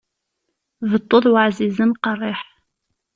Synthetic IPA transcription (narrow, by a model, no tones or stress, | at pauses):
vət̪ˤːoðˤwaʕzizənqɑrˤːɪħ